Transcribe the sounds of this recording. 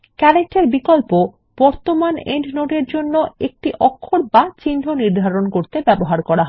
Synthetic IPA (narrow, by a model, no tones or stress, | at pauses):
kɛɾek̚ʈeɾbikolpo | b̥ɔɾt̪omanḛɳɖnoʈeɾd͡ʑonːoek̚ʈiʔɔkʰːoɾbat͡ɕind̪ʱoniɾd̪ʱaɾonkoɾt̪ebɛboɦaɾkɔɾaɦɔ